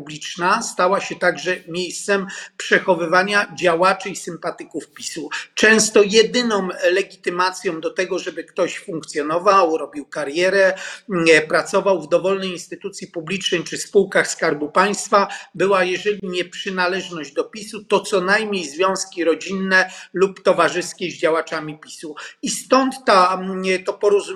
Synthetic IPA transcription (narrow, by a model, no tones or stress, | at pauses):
ublʲit͡ʂnast̪awaɕɛt̪aɡʐɛmʲjejst̪sɛmpʂɛxɔvɘvaɲad͡ʑawat͡ʂɘisɘmpat̪ɘkufpʲi̥sut͡ʂɛ̃w̃st̪ɔjɛd̪ɘnɔ̃mlɛɡʲit̪ɘmat̪sʲjɔ̃w̃d̪ɔt̪ɛɡɔʐɛbɘkt̪ɔɕfuŋkt̪sʲjɔnɔvawɾɔbʲiwkaɾjɛɾɛ | pɾat̪sɔvawvd̪ɔvɔlnɛjinst̪ɘt̪ut̪sʲjipublʲit͡ʂnɛjt͡ʂɘspuwkaxskaɾbupaj̃st̪fabɘwajɛʐɛlʲiɲɛpʂɘnalɛʐnɔʑd͡ʑd̪ɔpʲisut̪ɔt̪sɔnajmɲejzvʲjɔ̃w̃skʲiɾɔd͡ʑinːɛlupt̪ɔvaʐɘskʲɛʑd͡ʑawat͡ʂamʲipʲi̥suist̪ɔnt̪ːat̪ɔpɔɾuzu